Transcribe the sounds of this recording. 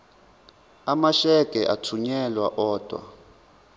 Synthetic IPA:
amaʃɛkʼɛʔatʰuɲɛlwaʔɔːd̥ʱwa̰

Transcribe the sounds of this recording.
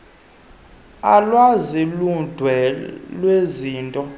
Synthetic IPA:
alwazilund̥ʱwɛlweziːntʼɔ

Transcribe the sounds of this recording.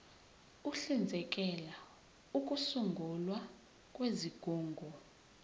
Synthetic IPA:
uɬind͡zʱɛkʼɛla | ukʼusuŋɡʱulwa | kʼweziɡ̥ʱuːŋɡʱɔ

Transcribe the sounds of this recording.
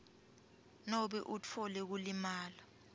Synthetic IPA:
nɔɓɛʔut͡fʰɔlɛk̬ulimaːla

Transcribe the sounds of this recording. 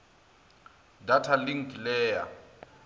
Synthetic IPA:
datʰalɪŋ̩kʼilɛːja̰

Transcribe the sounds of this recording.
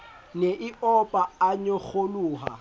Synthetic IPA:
neʔɪɔpʼaaɲok͡xʰoluːɦa̰

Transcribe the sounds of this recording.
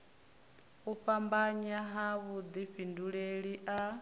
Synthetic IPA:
uɸambaɲaɦaβud̪iɸinduɺeɺiʔa

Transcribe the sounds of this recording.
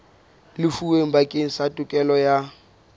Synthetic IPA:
lɪfuweŋ̩bakʼɪŋ̩satʼʊkʼɛlɔja

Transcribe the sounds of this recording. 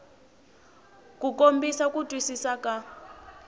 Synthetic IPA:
kukombisakʼutʼwisisakʼa

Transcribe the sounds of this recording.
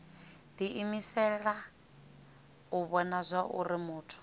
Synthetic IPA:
d̪iʔimisɛɺa | uβɔnazʷaʔṵɾimuːtʰu̥

